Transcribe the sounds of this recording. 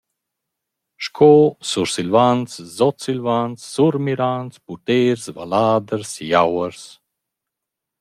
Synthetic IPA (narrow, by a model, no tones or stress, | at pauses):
ʃkʰɔːsuɾsilvanszɔt̪silvansːuɾmiɾansput̪eːɾsva̰laːd̪əɾsijawəɾs